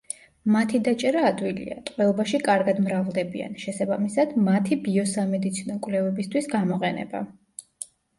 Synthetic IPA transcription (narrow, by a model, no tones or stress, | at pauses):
mat̪ʰid̪at͡ʃʼɛɾaːd̪wilḭa̰t̪ʼqʼwɛlɔbaʃikʼaɾɡad̪mɾavlˠd̪ɛbia̰nʃɛsabamisad̪mat̪ʰibiɔsamɛd̪it̪sʰinɔkʼvlɛvɛbist̪ʰwisɡamɔqʼɛnɛ̰ba̰